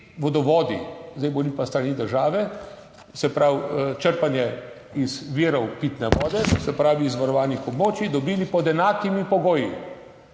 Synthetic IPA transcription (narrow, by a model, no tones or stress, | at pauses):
ʋod̪ɔʋɔːd̪ḭzd̪ajboːlipast̪ɾaniːd̪əɾʒaːʋɛ | sɛpɾawt͡ʃəɾpanjɛ | izʋiːɾɔwpit̪nɛʋɔːd̪ɛsɛpɾaːʋiːzʋaɾɔʋaːnixɔbmoːt͡ʃid̪ɔbiːlipɔd̪ɛnaːkimipɔɡoːji